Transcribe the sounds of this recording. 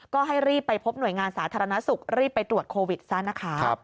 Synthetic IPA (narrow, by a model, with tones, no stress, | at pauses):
kɔː˥˩ɦa˥˩jɾiː˥˩pːa˧jpʰo˦˥p̚nu˨˩əjŋaː˧nsaː˩˦t̪ʰaː˧ɾa˧na˦˥su˨˩k̚ɾiː˥˩pːa˧jt̪ɾu˨˩ət̪̚kʰoː˧wi˨˩t̪̚sa˦˥˩na˦˥kʰa˦˥˦p̚